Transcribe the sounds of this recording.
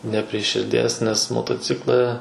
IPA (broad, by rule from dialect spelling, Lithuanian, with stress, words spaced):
nʲɛ pʲrʲɪ ʃʲɪrʲˈdʲiɛs nʲɛs moːtoːˈt͡sʲɪklˠɐ